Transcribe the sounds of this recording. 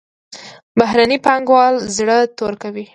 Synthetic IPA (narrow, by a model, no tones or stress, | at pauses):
baɦɾanipɑŋɡwɑlzɽət̪oɾkawi